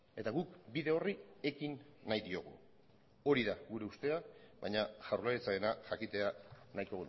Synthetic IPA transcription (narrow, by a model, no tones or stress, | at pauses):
e̞t̪aɣukbiðe̞o̞rie̞kinːajðio̞ɣ̞ṵ | o̞ɾiðaɣuɾe̞ust̪e̞aβajɲaʝawɾlaɾit͡saenaʝakit̪e̞anajko̞ɣun